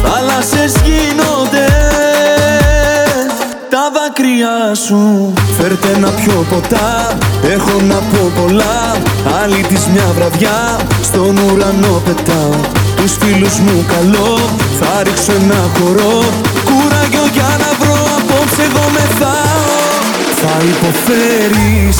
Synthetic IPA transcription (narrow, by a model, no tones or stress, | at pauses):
θɐlɐsezʝinod̪e | t̪ɐvɐkɾiɐsufe̞ɾt̪enɐpço̞po̞t̪ɐe̞xo̞nɐpo̞po̞lɐɐlit̪izmɲɐvɾɐðʝɐ | st̪o̞nuɾɐno̞pe̞t̪ɐ | t̪usfiluzmukɐlo̞ | θɐɾiksoenɐxo̞ɾo̞ | kuɾɐʝo̞ʝɐnɐvɾoɐpo̞pse̞ɣo̞me̞ðɐ | θɐipo̞feɾis